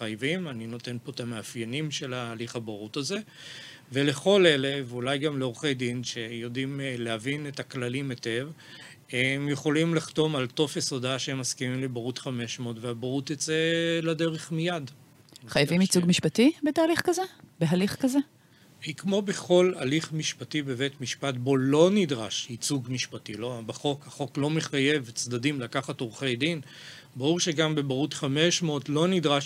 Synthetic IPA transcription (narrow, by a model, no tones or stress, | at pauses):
ajavimanino̞te̞npo̞t̪ameafjenimʃe̞laːliχabaʁut̪aze | vele̞χo̞le̞levulajɡamleoʁχe̞jdinʃejo̞dimleavinetaklalimete̞v | emjeχo̞limliχto̞malto̞feso̞daʃeemːaskimimlebaʁutχame̞ʃmo̞tveabaʁut̪jat͡selade̞ʁeχmijad | χajavimit͡suɡmiʃpatibetaːliχkazebeɦaliχkaze | hikmo̞be̞χo̞la̰liχmiʃpatibe̞vetmiʃpatbo̞lo̞nidʁaʃit͡suɡmiʃpatilobaχo̞khaχo̞klo̞meχaje̞vt͡sdadimlakaχatoʁχe̞jdin | baʁuʁʃe̞ɡambebaʁutχame̞ʃmo̞tlo̞nidʁaʃ